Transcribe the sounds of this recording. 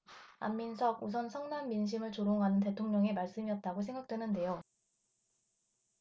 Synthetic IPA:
a̰mːinsʰʌɡus̬ʰʌnsʰʌŋnamːinɕ̬ʰimɯɭt͡ɕoɾoŋɦanɯnt̬e̞tʰoŋɲʌŋemaɭs͈ɯmiʌt̚t͈aɡosʰe̞ŋɡak̚t͈we̞nɯnde̞jo

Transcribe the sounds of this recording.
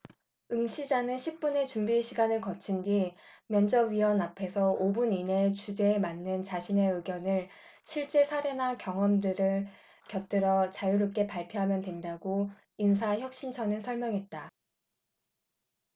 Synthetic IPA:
ɯŋɕʰid͡ʑanɯnɕʰip̚p͈une̞t͡ɕumbiɕʰiɡanɯɭkʌt͡ɕʰindimjʌnd͡ʑʌɥiwʌnapʰe̞sʰʌobunine̞t͡ɕud͡ʑe̞ːmanːɯnt͡ɕaɕʰine̞ɯɡjʌnɯɭ | ɕʰiɭt͡ɕ͈e̞sʰaɾe̞nakjʌŋʌmdɯɾɯɭ | kjʌt̚t͈ɯɾʌt͡ɕajuɾop̚k͈e̞paɭpʰjoɦamjʌndwe̞ndaɡo | ins̬ʰaçjʌk̚ɕ͈int͡ɕʰʌnɯɭsʰʌɭmjʌŋɦe̞t̚t͈a

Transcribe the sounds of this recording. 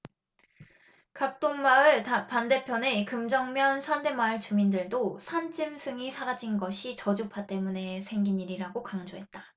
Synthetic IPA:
kak̚t͈oŋmaɯɭpande̞pʰjʌne̞kɯmd͡ʑʌŋmjʌnsʰande̞maɯɭt͡ɕumindɯɭdosʰand͡ʑʰɯmsʰɯŋisʰaɾad͡ʑinɡʌɕʰit͡ɕʌd͡ʑupʰat͈e̞mune̞sʰe̞ŋɡiɲiɾiɾaɡokaŋd͡ʑoɦe̞t̚t͈ḁ

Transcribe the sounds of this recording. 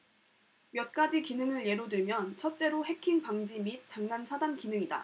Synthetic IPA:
mjʌt̚k͈ad͡ʑikinɯŋɯɭje̞ɾodɯɭmjʌnt͡ɕʰʌt̚t͡ɕ͈e̞ɾohe̞kʰiŋpaŋd͡ʑimit̚t͡ɕ͈aŋnant͡ɕʰadankinɯŋida̰

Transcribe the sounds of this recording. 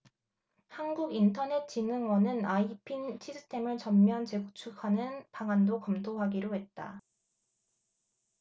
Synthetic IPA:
hanɡuɡintʰʌne̞t̚t͡ɕinɯŋwʌnɯnaipʰint͡ɕʰisʰɯ̥tʰe̞mɯɭt͡ɕʌmːjɦant͡ɕe̞ɡut͡ɕʰukʰanɯnpaŋandokʌmtʰoɦaɡiɾoɦe̞t̚t͈a̰

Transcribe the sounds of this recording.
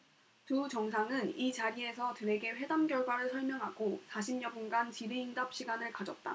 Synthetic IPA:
tut͡ɕʌŋsʰaŋɯnit͡ɕaɾie̞sʰʌtɯɾe̞ɡe̞ɸwe̞damɡjʌɭɡwaɾɯɭsʰʌɭmjʌŋɦaɡosʰaɕʰimɲʌbunɡant͡ɕiɾiindap̚ɕ͈ʰiɡanɯɭkad͡ʑʌt̚t͈a̰

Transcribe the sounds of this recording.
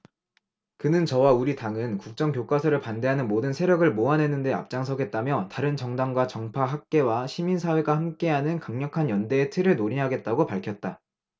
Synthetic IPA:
kɯnɯnt͡ɕʌwauɾitaŋɯnkuk̚t͡ɕ͈ʌŋkjok͈asʰʌɾɯɭpande̞ɦanɯnmodɯnsʰeɾjʌɡɯɭmoanɦe̞nɯnde̞a̰p̚t͡ɕ͈aŋs̬ʰʌɡe̞t̚t͈amjʌtaɾɯnt͡ɕʌŋdaŋɡwat͡ɕʌŋpʰaɦak̚k͈e̞waɕʰiminsʰawe̞ɡahamk͈e̞ɦanɯnkaŋɲʌkʰanjʌnde̞ːtʰɯɾɯɭnoɾinɦaɡe̞t̚t͈aɡopaɭkʰjʌt̚t͈a

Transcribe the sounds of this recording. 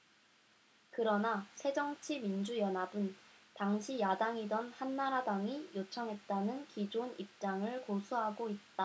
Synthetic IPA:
kɯɾʌnasʰe̞d͡ʑʌŋt͡ɕʰimind͡ʑujʌnɦabɯntaŋɕʰijadaŋidʌnhanːaɾadaŋijot͡ɕʰʌŋɦe̞t̚t͈anɯnkid͡ʑonip̚t͡ɕ͈aŋɯɭkosʰuɦaɡoit̚t͈a

